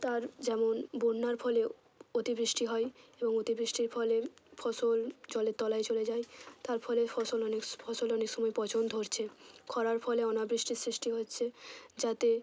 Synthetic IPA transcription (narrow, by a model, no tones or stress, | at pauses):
t̪aɾd͡ʑɛmonboɾnaɾfʰɔle | ot̪ibɾiʃʈiɦɔeeboŋot̪ibɾiʃʈiɾfʰɔlefʰɔsold͡ʑɔlet̪ːɔlajt͡ɕoled͡ʑaet̪aɾfʰɔlefɔsolɔnekfʰɔsolɔnekʃɔmɔjpɔt͡ɕond̪ʱoɾt͡ɕʰekʰɔɾaɾfɔleɔnabɾiʃʈiɾsɾiʃʈiɦoːɕʰed͡ʑat̪e